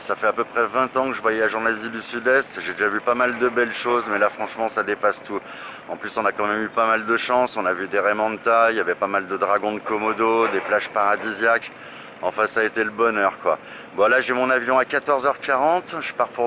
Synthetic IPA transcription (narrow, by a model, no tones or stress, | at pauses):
safɛapøpχɛvɛ̃t̪ɑ̃kəʒəvwajaʒɑ̃nazid̪ysyd̪ɛst̪ʒed̪eʒavypamald̪əbɛlʃozmɛlafχɑ̃ʃmɑ̃sad̪epast̪ʰu | ɑ̃plysɔ̃nakɑ̃mɛmypamald̪əʃɑ̃sɔ̃navyd̪eʁemɑ̃d̪ət̪ajavɛpamald̪əd̪ʁaɡɔ̃d̪əkɔmɔd̪od̪eplaʒpaʁad̪izjak | ɑ̃fɛ̃saet̪eləbɔnœʁkwa | bɔ̃laʒɛmɔ̃navjɔ̃akat̪ɔʁzœʁkaʁɑ̃t̪ʒ̥ə̥paʁpuʁ